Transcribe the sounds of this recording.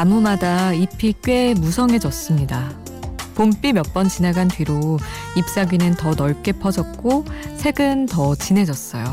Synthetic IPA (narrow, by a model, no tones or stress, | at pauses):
amumadaipʰik͈ɥe̞musʰʌŋe̞d͡ʑʌs͈ɯmɲida | pomp͈imjʌp͈ʌnt͡ɕinaɡantɥiɾo | ip̚s͈aɡɥinɯntʌnʌɭk͈e̞pʰʌd͡ʑʌk̚k͈osʰe̞ɡɯntʌt͡ɕine̞d͡ʑʌs͈ʌ̰jo̰